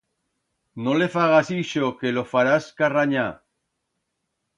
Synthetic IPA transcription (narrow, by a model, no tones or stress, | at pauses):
nolefaɣasiʃokelofaɾaskaraɲa